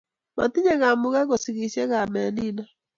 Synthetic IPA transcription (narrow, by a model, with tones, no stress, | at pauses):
ma̰˨ti˦ɲe˦ɣa˨mʊ˦ɣa˦ɣo˨si˨ɣi˨˦se˦ɣa˨mɛ˨ni˦na˦